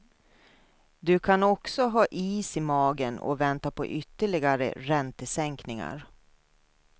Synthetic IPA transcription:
d̪ɵkʰanɔksɔɦɑːʔiːsɪmɑːɡənɔ̰vɛnt̪apʰɔ̰ʔʏt̪ːəɭɪɡaɾə̰ɾɛnt̪əsɛŋknɪŋa̰ɾ

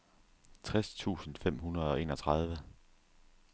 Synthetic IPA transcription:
t͡sʰʁɛst͡sʰṵːsn̩fem̰ɦunɐð̞̩ˠɒ̽ʔe̝ːnɒ̽t͡sʰʁɑð̞ˠʋə

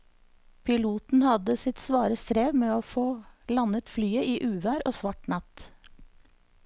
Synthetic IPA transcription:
pʰɪluːt̪n̩hɑd̪əsɪt̪sʋɑːɾəst̪ɾeːʋmeːoːfoːlɑnət̪flyːəʔiːʔʉːʋæːɾoːsʋɑʈnɑt̪

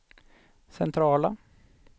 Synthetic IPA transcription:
sɛnt̪ʰɾɑːla

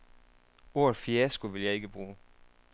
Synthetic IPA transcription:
o̝ɐðfiæsɡ̥oʋe̝ljɑ̈ɪe̝ɡ̥əb̥ʁuː

